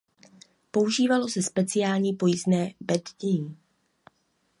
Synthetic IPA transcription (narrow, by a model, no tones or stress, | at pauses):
po̞uʒiːvalo̞sɛspɛt͡sɪjaːlɲiːpo̞jiznɛːbɛdɟɛji